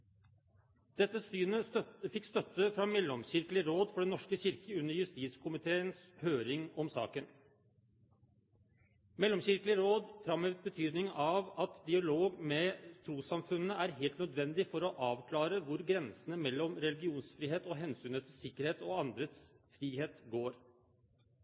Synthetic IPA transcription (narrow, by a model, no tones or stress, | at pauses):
d̪̥ɛt̪ːəsyːnəfɪkːst̪œt̪ːəfɾɑmɛlːɔmɕɪɾklɪəɾoːd̪fɔɖɛnnɔʂkəɕɪɾkəʉnːəɾjʉst̪iːt̪skʰʊmɪt̪ʰeːənshøːɾɪŋɔmsɑ̰ːkən | mɛlːɔmɕɪɾkəlɪəɾoːd̪fɾɑmhøːʋt̪̚bət̪ʰyːd̪nɪŋɑʋɑt̪d̪ɪɑloːɡmɛt̪ʰɾuːsɑmfʉnːəæɾɦeːlt̪nœd̪ʋɛnd̪ɪfɔɾɔʔɑːʋkʰlɑːɾəʋʊɾɡɾɛnsənəmɛlːɔmɾɛlɪɡɪuːnsfɾiːheːt̪ɔɦɛnsyːnət̪ʰɪsɪkːəɾheːt̪ɔɑnd̪ɾət̪s | fɾiːheːt̪ɡoːɾ